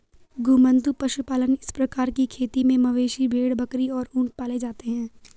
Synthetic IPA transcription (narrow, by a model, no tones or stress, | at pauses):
ɡʊmə̃nt̪upɐʃupaːlənɪspɾɐkaːɾkikʰeːt̪imẽmɐʋeːʃibʱeːɽbɐkɾiɔːɾũːɳʈ̚paːled͡ʒaːt̪eɦɛ̃ː